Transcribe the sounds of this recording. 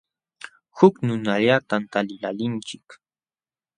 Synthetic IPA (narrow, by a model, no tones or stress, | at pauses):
hʊknʊnaʎat̪ant̪alɪlalɪnt͡ʃɪk